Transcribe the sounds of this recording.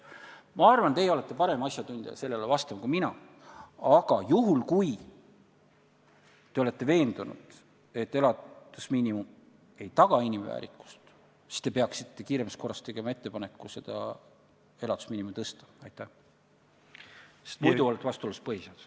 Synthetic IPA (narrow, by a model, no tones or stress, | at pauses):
mɑɑrvɑnt̪e̞jeo̞le̞t̪ˑːe̞pɑɾe̞mɑsʲjɑt̪unʲd̪̥ɑjɑ̰se̞lːelevɑst̪ɑmkuminɑ | ɑɡ̥ɑjuɦulkuj | t̪e̞o̞le̞t̪ːe̞ve̞ːnd̪̥unṵd̪̥ | e̞t̪ːe̞lɑd̪̥usmiːnʲimum | e̞jt̪ɑɡ̥ɑinʲimvæ̰ːɾikːˑu̥st̪ | si̥st̪e̞peɑksit̪ːe̞kiːɾe̞mst̪ko̞rːɑst̪eɡ̥e̞mɑe̞t̪ːe̞pɑne̞kːˑuse̞d̪̥ɑ̰ | e̞lɑd̪̥u̥smiːnimut̪ɤst̪ɑ̥ɑjt̪ˑːæh | se̥st̪mujd̪uo̞let̪ːˑvɑst̪uoluspɤhisɑd̪